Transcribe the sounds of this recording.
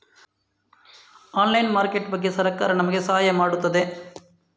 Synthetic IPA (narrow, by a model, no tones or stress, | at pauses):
aːnlɐjnmaːɾkeʈbɐɡːesɐɾɐkːa̰ːɾɐnɐmɐɡesaːaːjɐmaːɽut̪ːɐd̪e